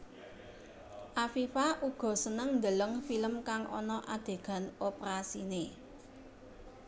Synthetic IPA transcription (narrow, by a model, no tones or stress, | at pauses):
ʔafifaʔuɡ̥ɔ̤sənəŋnd̪ələŋfiləmkaŋʔɔ̰nɔʔad̪̥e̤ɡ̥a̤nopɾasine